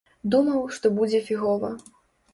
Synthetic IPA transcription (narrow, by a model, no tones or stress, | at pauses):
d̪umɐwʂt̪ɔbud͡zʲɛfʲiɣɔvɐ̰